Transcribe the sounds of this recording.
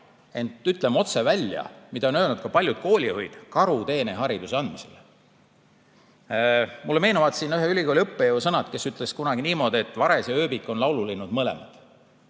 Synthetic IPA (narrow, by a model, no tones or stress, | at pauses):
e̞nt̪ːˑyt̪ˑlemo̞t̪se̞vælʲjɑ̰mid̪̥ɑo̞nøːlnut̪̚kɑpɑlʲjud̪̥̚ko̞ːlʲihojd̪̥kɑɾut̪e̞ːneɦɑɾid̪useɑnd̪mise̞̰l | mulːeme̞ːnuvɑt̪sinyɦeylʲiɡ̥koːlʲɤpːejeusɤnɑt̪ke̞syt̪ːˑleskunɑɡ̥iniːmo̞ːd̪e̞t̪ːˑvɑɾesjɑø̞ːbikːˑo̞nlɑwlulinud̪̥mɤle̞̰mɑ̰d̪̥